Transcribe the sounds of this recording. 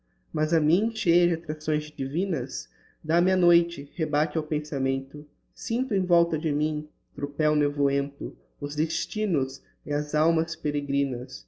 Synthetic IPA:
mazɐmĩʃejɐd͡ʒɪat̪ɾasõj̃zd͡ʒivĩnɐs | d̪amɪɐnojt͡ʃɪhebat͡ʃɪawpẽsamẽnt̪ʊ | sĩnt̪ʊẽj̃vɔwt̪ɐd͡ʒɪmĩ | t̪ɾupɛwnevuẽnt̪ʊ | ʊzd̪est͡ʃĩnʊz | ɪɐzawmɐspeɾeɡɾĩnɐs

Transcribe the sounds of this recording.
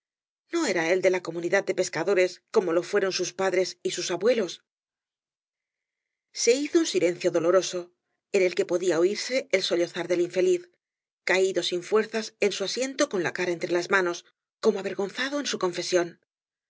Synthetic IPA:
no̞e̞ɾae̞ld̪e̞lako̞muniðað̚d̪e̞pe̞skaðo̞ɾe̞sko̞mo̞lo̞fwe̞ɾo̞nsuspaðɾe̞sisusaβwe̞lo̞s | se̞iθounsilẽ̞n̟θjo̞ðo̞lo̞ɾo̞so̞ | e̞ne̞lke̞po̞ðiaoiɾse̞ːlso̞ʎo̞θaɾðe̞liɱfe̞liθ | kaiðo̞siɱfwe̞ɾθasensuasje̞nt̪o̞ko̞nlakaɾae̞nt̪ɾe̞lazmano̞s | ko̞moaβe̞ɾɣo̞nθaðo̞ensuko̞ɱfe̞sjo̞n

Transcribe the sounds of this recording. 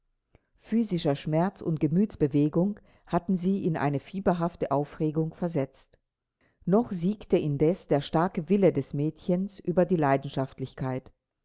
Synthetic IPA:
fyːzɪʃɐʃmɛɐt͡sʊ̰nt̚ɡ̥əmyːtt͡sb̥əveːɡʊŋ | hatn̩ziːʔɪnʔa̰ɪnəfiːbɐɦaftəʔaʊfʁeːɡʊŋfɛɐzɛt͡st | nɔχz̥iːktəʔɪndɛsd̥eːɐʃtaɐkəvɪlədɛsmɛːtçənsʔyːbɐdiːlaɪdn̩ʃaftlɪçkʰaɪt

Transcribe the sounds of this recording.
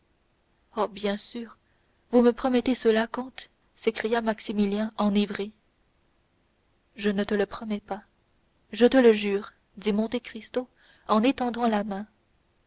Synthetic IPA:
ɔbjɛ̃syːʁ | vuməpχɔmɛt̪esəlakɔ̃t̪ | sekχijamaksimiljɛ̃ɑ̃nivʁi | ʒənət̪ələpχɔmɛpa | ʒət̪ələʒyːʁ | d̪imɔ̃t̪ekχist̪o | ɑ̃net̪ɑ̃d̪ɑ̃lamɛ̃

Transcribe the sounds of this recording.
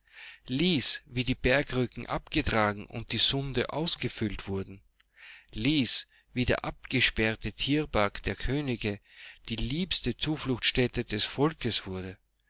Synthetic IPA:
liːsviːdiːbɛɐkʁʏkŋ̩ʔa̰pɡ̥ətʁ̥aːɡŋ̩ʊ̰nt̚d̥iːzʊndə̰ʔa̰ʊsɡ̥əfʏltv̥ʊɐdn̩ | liːs | viːdḛːɐʔap̚ɡ̥əʃpɛɐtətʰiːɐbɛɐkd̥eːɐkʰøːnɪɡəd̥iːliːpstət͡suːflʊxʃtɛtədɛsfɔlkəsv̥ʊɐdə

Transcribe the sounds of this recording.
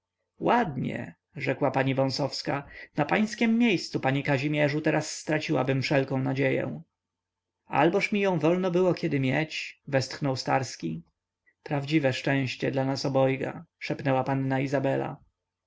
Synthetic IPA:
wad̪ɲɛ̰ | ʐɛkwapaɲivɔ̃w̃sɔfskanapaj̃skʲɛmːjejst̪supaɲikaʑimʲjɛʐut̪ɛɾasːt̪ɾat͡ɕiwa̰bɘmfʂɛlkɔ̃w̃nad͡ʑejɛ̰̃w̃ | a̰lbɔʂmʲijɔ̃w̃vɔlnɔbɘwɔkʲɛd̪ɘmʲjɛt͡ɕvɛst̪xnɔwst̪aɾskʲi | pɾavd͡ʑivɛʂt͡ʂɛ̃w̃ɕt͡ɕɛd̪lanasɔbɔjɡa̰ʂɛpnɛwapanːaizabɛla̰

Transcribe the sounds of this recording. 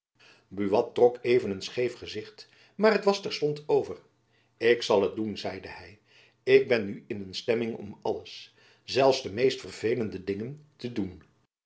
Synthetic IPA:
byʋɑtːrɔkejvənənsχejfχəzɪχt | maːɹɦətʋɑstɛɹstɔntowvər | ɪksɑlˠət̚dunzɛjdəhɛj | ɪɡ̚bɛnyɪnənstɛmɪŋɔ̰mɑləs | zɛlˠfsdəmejstfərvejləndədɪŋəntədun

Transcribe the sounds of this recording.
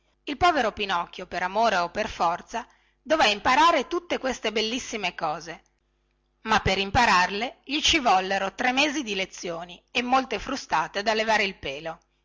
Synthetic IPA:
ilpɔːveɾopinɔkːjopeɾamoːɾeopːerfɔrt̪sa | d̪ovɛimpaɾaːɾet̪ut̪ːekwest̪ebelːisːimekɔːze | mapːeɾimpaɾarleʎit͡ʃivɔlːeɾot̪ɾemːeːzid̪ilet̪sːjoːniemːolt̪efɾust̪aːt̪ed̪alːevaːɾeilpeːlo

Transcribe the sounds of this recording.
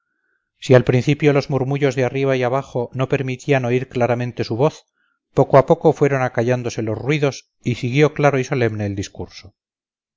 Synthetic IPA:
sialpɾinθipjo̞lo̞zmuɾmuʝo̞zðeariβ̞aiaβ̞aχo̞no̞pe̞ɾmit̪ʰiano̞iɾklaɾamẽnt̪e̞suβo̞θ | po̞koapo̞ko̞fwe̞ɾo̞nakaʝand̪ose̞lo̞zrwiðo̞s | isiɣjo̞klaɾo̞iso̞le̞mne̞ːld̪iskuɾso̞

